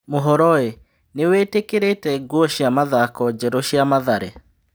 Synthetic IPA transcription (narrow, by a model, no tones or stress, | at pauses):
moɦɔɾɔe | neweːtekeɾetɛɡwɔɕjamaðakɔd͡ʑɛɾɔɕjamaðaɾḛ